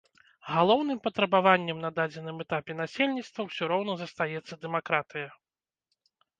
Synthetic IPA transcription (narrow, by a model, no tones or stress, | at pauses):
ɣalˠɔwnɨmpɐt̪ɾɐbavanʲːɛmnɐd̪ad͡zʲɛn̪ɨmɛt̪apʲɛn̪asʲelʲnʲit̪st̪vɐwsʲɔɾɔwn̪ɐzɐst̪ajɛt̪sːɐd̪ɛmakɾat̪ɨjɐ